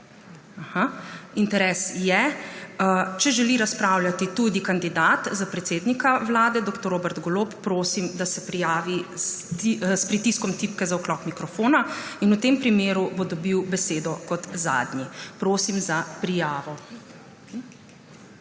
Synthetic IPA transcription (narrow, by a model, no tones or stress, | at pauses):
ahaint̪ɛɾɛːsjɛət͡ʃɛʒɛliɾaspɾaːwljat̪it̪ud̪ikand̪id̪aːt̪zapɾɛt̪seːd̪nikaʋlaːd̪ɛd̪oːkt̪ɔɾoːbɛɾd̪ɡɔloːppːɾoːsimd̪asɛpɾijaːʋisspɾit̪iskɔmt̪ipkɛzaɔklɔkmikɾɔfoːnainut̪empɾimeːɾubod̪ɔbiwbɛseːd̪ɔkɔt̪za̰ːd̪nʲipɾoːsimzapɾijaːʋɔ